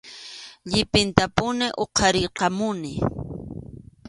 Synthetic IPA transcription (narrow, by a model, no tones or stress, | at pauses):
ʎɪpɪnt̪apʊnɪʔoqʰɑɾɪqɑmʊnɪ